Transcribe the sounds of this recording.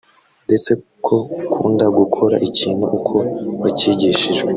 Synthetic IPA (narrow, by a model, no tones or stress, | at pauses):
nde̞t͡se̞ | kʰo̞kʰuːndaɡukʰo̞ɾa̰ʔiciːnhṵʔukʰo̞βaciɟiʃiʒɡwe